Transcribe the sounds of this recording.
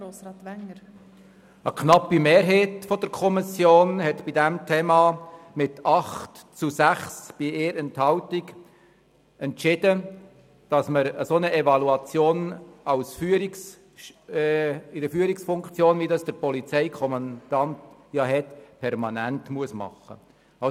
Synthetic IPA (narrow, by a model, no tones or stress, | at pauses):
ɾoːsɾɑːt̪ʋæŋəɾ | əkʰnɑpimeːɾɦeːtfɔd̥əɾkʰɔmisjoːnhɛtb̥idæmtʰeːmɑmɪtɑχtt͡susæχsb̥ieːɾɛnthɑʊtik | ɛntt͡ʃɪd̥ə | d̥ɑsməɾəsonəʔɛvɑluɑt͡sjoːnɑʊsfyəɾiks | ɪdəfyːəɾɪksfʊŋkt͡sjoːnvidɑsd̥əɾpɔlit͡sɛɪkʰɔmɑnd̪̥ɑntjɑɦɛtpʰɛɾmɑnæntmuəsmɑ̰χə̰ | ɑ